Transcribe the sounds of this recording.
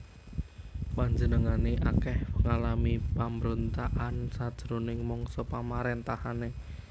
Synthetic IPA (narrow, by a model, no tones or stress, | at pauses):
paɲd͡ʒənəŋaneʔakɛhpəŋalamipaməɾont̪aʔansad̥ʒ̥əɾonɪŋmɔŋsɔpamaɾent̪ahane